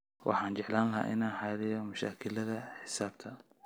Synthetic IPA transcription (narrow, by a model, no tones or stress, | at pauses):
wʔɑ̰ħɑːnt͡ʃɛʕlaːnlɐɦa̰ːʔɪ̰naːnħɑːlɪjɔmɐʃa̰ːkʰɪlɐðɐħɪsaːb̚t̪ʰɐ